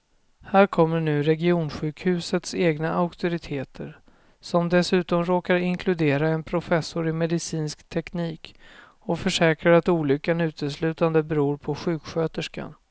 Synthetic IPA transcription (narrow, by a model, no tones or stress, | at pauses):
hæːɾkʰɔmːəɳʉ̟ːɾɛɡɪuːnɧʉ̟ːkhʉ̟ːsət̪seːɡnaʔaʊkt̪ʊɾɪt̪ʰeːt̪ʰəɾ | sɔmd̪ɛsʉ̟ːt̪ɔmɾoːkaɾɪŋkʰlɵd̪eːɾaɛnpʰɾʊfɛsːʊɾɪmɛd̪ɪsiːnskt̪ʰɛkniːk | ɔfœʂɛːkɾaɾat̪uːlʏkːanʉ̟ːt̪əslʉ̟ːt̪and̪əbɛɾuːɾpʰɔɧʉ̟ːkɧøːt̪əʂka̰n